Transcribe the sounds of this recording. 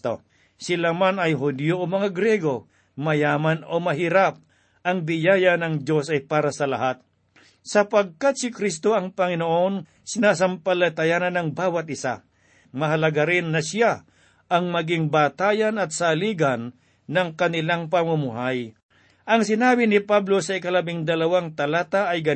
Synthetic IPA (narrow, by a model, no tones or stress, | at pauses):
t̪o | sɪlamanɐjɦʊd̪joʔomɐŋaɡɾɛɡo̞ | mɐjaːmanomɐɦiɾap̚ | ʔɐŋbɪjaːjɐnɐŋd͡ʒo̞sɐjpaːɾɐsɐlɐ̰hat̪̚ | sɐpɐɡ̚kat̪̚sɪkɾist̪o̞ʔɐŋpɐŋɪnoʔo̞n | sɪnaːs̬ɐmpɐlɐt̪ɐjaːnɐnɐŋbaːwɐt̪̚ʔɪsa̰ | mɐɦɐlɐɡaɾɪnːɐsja | ʔɐŋmɐɡɪŋbaːt̪aːjɐnɐt̪̚saliːɡɐnː | ɐŋkɐnɪlaŋpɐmʊmʊɦaj | ʔɐŋsɪnaːbɪnɪpablo̞sɐɪkɐlɐbɪŋd̪ɐlɐwaŋt̪ɐlaːt̪aʔɐjɡɐ